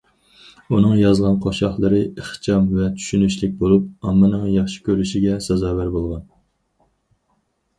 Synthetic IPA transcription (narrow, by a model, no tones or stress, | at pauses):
unɨŋjɑzʁɑnqʰoʃɑχlˠəɾɨəχt͡ʃʰɑmvɛt͡ʃ̪ʰy̥ʃynyʃlɪk̚ʲbolˠup̚ɑmːɨnɨŋjɑχʃi̥kʲøɾyʃiɡʲɛsɛzɑːvæɾbolˠʁɑn